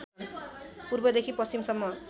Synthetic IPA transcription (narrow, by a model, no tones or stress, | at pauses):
puɾbʌd̪ekʰipʌst͡ɕimsʌmːʌ